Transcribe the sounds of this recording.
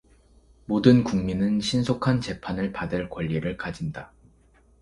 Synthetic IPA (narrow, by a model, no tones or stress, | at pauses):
modɯnkuŋminɯnɕʰinsʰokʰant͡ɕe̞pʰanɯɭpadɯɭkwaʎːiɾɯɭkad͡ʑinda